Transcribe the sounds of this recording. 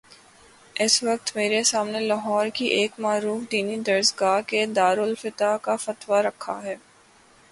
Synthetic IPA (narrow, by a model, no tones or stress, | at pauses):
ɪsʋɐk̚t̪meːɾesaːmnelaɦɔːɾkiʔeːkmaːɾuːfd̪iːnid̪ɐɾsɡaːɾked̪aːɾʊlfɪt̪akafɐt̪waɾɐkʰːaɦɛː